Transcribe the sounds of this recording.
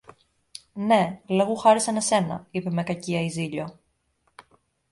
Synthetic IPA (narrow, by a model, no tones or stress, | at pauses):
ne̞leɣuxɐɾisɐne̞se̞nɐ̰ipe̞me̞kɐciɐiziʎo̞